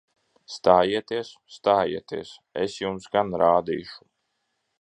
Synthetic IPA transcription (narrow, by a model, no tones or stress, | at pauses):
st̪aːjiɛt̪iɛsst̪aːjḭɛt̪iɛsɛ̰sjumsɡanɾaːd̪ḭːʃu̥